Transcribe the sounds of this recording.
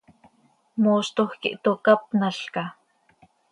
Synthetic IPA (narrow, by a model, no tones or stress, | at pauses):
moʃt̪oxkḭʔt̪okap̚naɬka